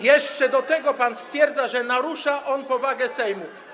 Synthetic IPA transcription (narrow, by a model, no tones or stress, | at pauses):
jɛʂt͡ʂɛd̪ɔt̪ɛɡɔpanst̪fʲjɛɾd̪zaʐɛnaɾuʂaʔɔnpɔvaɡɛsɛjmu